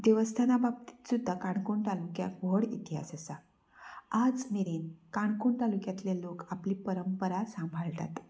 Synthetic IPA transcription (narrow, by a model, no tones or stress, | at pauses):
d̪eʋəst̪ʰanabab̚t̪i̥t̪sud̪ʱːakaɳkuɳt̪alukja̰bʱoɽit̪iɦa̰səsa | ad͡zmeɾiːnkaɳkuɳt̪alukjat̪lelokapliːpəɾəmpəɾasãmbʱaɭʈa̰t̪